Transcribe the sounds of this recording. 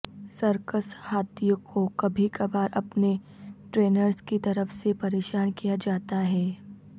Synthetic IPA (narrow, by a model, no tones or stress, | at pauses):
sɐɾkəshaːt̪ijõkʰokɐbʱikɐbaːɾɐpne | ʈɾeːnəɾskit̪ɐɾəfsepɐɾeːʃaːnkijad͡ʒaːt̪aɦɛː